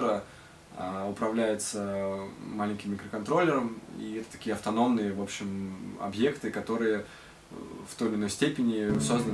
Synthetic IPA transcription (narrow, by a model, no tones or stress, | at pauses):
ɾə | aʊpɾɐvlʲæjɪt̪sə | malʲɪnʲkʲɪmːʲɪkɾəkɐnt̪ɾo̞lʲːɪɾəmḭɛt̪ə̥t̪ɐ̥kʲijəɐft̪ɐno̞mnɨjəvo̞pɕːɪmɐ̰bjekt̪ɨkɐt̪o̞ɾɨjə | ft̪o̞jɪlʲɪno̞jsʲtʲepʲɪnʲɪso̞znə